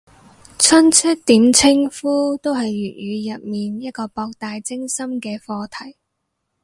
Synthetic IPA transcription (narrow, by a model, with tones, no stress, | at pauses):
t͡sʰɐ˥nt͡sʰɵ˥t̚t̪iː˨˥mt͡sʰɪ˥ŋfuː˥t̪o˥wɦɐ˨jːyː˨˩t̚ɥyː˨˧jɐ˨t̚miː˨njɐ˥t̚kɔː˧pɔː˧k̚t̪aː˨jt͡sɪ˥ŋsɐ˥mkɛː˧fɔː˧t̪ʰɐ˨˩j